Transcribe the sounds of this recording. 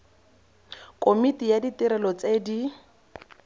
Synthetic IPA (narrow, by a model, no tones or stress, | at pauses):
kʼomitijaditiɾɛlɔt͡sedi